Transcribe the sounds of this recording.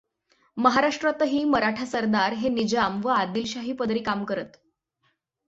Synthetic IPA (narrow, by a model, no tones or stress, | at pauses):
məɦaɾaʂʈɾat̪əɦiːməɾaʈʰasəɾd̪aɾɦenid͡ʑamʋəad̪ilɕaɦiːpəd̪ɾiːkamkəɾət̪